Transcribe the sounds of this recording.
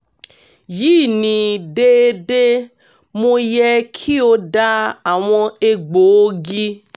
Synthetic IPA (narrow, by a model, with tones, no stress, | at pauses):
ji˦˨nĩ˨de˦e˧de˦ | mõ˧jɛ˧kʰi˦o˧da˦˧a˨w̃ɔ̃˧e˧ɡ͡bo˨˦ɡi˦